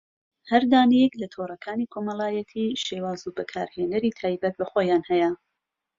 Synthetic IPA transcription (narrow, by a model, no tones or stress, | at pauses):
hɐɾd̪aːnijɛklɐt̪ʰoːrˤɐkʰaːnikʰoːmɐlaːjɛt̪ʰiːʃeːwaːzubɨkʰa̰ːɾheːnɐɾiːt̪ʰaːjbɐt̪̚bɐxoːjaːnhɛjɐ